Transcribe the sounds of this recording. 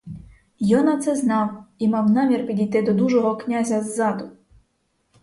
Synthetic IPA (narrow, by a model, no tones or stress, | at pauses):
jɔnɐt̪sɛznɑwimɑwnɑmʲirpʲid̪ʲijt̪ɪd̪ɔd̪uʒɔɦɔknʲazʲɐzːɑd̪ʊ